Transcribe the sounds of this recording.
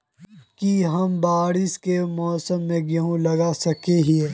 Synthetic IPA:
kiɦɐmbaːɽɪskemɔːsəmːẽɡɐɦũlɐɡasɐkeɦiɛ

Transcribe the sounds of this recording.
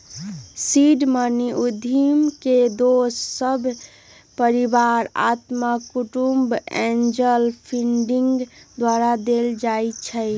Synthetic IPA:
siɖməniud̪ʱimked̪osːəbʱ | pəɾibaɾa̰t̪makuʈumbẽnd͡ʒəlpʰiɳɖiŋɡd̪waɾad̪eld͡ʒajt͡ʃʰəɪ

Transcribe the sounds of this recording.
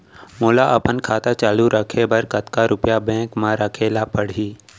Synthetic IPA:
moːlaʔɐpənkʰaːt̪at͡ʃaːluɾəkʰebəɾkɐt̪kaɾʊpjabɛ̃ːkmãɾəkʰeːlapəɽ̤iː

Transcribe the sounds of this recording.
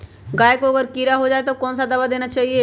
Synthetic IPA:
ɡaːjekoɐɡəɾkiɾaɦod͡ʒaːet̪okɔːnsad̪ɐbad̪eːnat͡ʃaːɦie

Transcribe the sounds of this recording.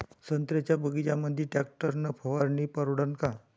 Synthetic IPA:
sənt̪ɾet͡ɕjabəɡit͡ɕjaməd̪ʱːjiʈɛk̚ʈəɾnəpʰəʋaɾniːpəɾɽənka

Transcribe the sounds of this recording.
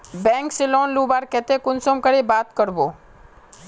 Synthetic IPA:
bɛ̃ːŋkseloːnlubaːɾkɛt̪ekʊnsomkəɾibaːt̪kəɾboː

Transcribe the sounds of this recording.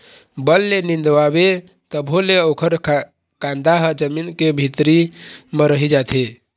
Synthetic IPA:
bəlːenind̪wabe | t̪əbʱoleokʰəɾ | kãnd̪aɦəd͡ʒəminkebʱit̪ɾiməɾəɦid͡ʒat̪ʰe

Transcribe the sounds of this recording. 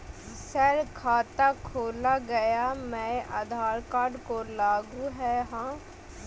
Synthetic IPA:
sɐɾkʰaːt̪akʰoːlaɡɐjamɛ̃ʔa̰ːd̪ʱaːɾkaːɖkolaːɡuɦɛɦãː

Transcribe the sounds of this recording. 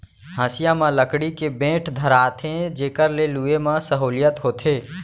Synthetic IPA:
ɦãːsɪjãmãləkɽikebẽːʈʰd̪ʱəɾaːt̪ʰẽd͡ʒeːkəɾleluemãsəɦoːlɪjət̪ɦoːt̪ʰeː

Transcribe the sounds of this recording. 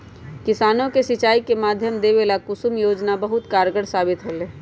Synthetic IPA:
kɪsaːnõkesɪt͡ʃaːikemaːd̪ʱjəmd̪eʋelakʊsumjoːd͡ʒnabɐɦʊt̪kaːɾɡəɽsaːbɪt̪ɦoːleː

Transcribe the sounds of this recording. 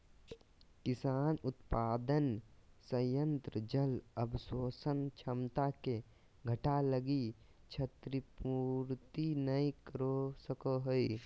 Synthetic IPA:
kɪsaːnʊt̪paːd̪ənsəjə̃nt̪ɾəd͡ʒələbsoːsənt͡ʃʰəmt̪ake | ɡʱəʈaləɡi | t͡ʃʰət̪ɾipuːɾt̪inəĩkəɾosəkoɦoi

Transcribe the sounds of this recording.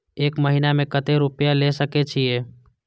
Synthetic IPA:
eːkməɦinamẽkət̪eɾʊpjalesəket͡ʃʰieː

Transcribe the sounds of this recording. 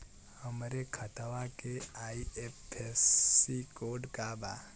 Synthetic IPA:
həmɾekʰət̪aʋakeaːiepesikoːɖkaba

